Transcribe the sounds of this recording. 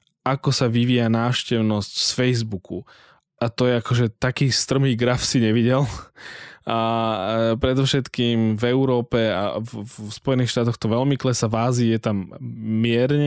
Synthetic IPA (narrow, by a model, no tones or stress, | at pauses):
ʔakɔsaʋiʋijanaːʃcɛʊnɔscsfɛjzbuku | ʔat̪ɔjɛakɔʒɛt̪akiːst̪r̩miːɡɾafsiɲɛʋiɟɛl | a | pɾɛd̪ɔfʃɛt̪kimvɛʊɾɔːpɛa̰spɔjɛniːxʃt̪aːt̪ɔxt̪ɔʋɛlmiklɛsaʋaːzijɛt̪amːɪɛɾɲɛ